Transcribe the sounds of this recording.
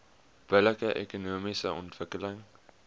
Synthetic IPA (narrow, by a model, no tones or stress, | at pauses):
b̥ələkəʔḛkonoːmisəʔɔ̰ntv̥əkələŋ